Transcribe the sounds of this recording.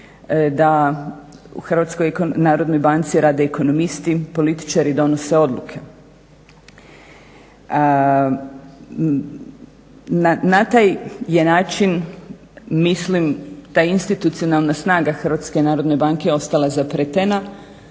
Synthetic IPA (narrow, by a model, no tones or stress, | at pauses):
d̪a | ṵxrʋat̪sko̞jknaːɾo̞d̪nojbant̪siɾaːd̪eːko̞no̞mist̪ipo̞lit̪i̥t͡ʃaɾid̪o̞no̞se̞o̞d̪lukʰe̞ | anat̪aːjje̞naːt͡ʃin | mislimt̪aːinst̪it̪ut̪sijo̞nalˠnasnaːɡaxr̩ʋat̪ske̞naːɾo̞d̪ne̞baŋke̞o̞st̪alazapɾet̪ena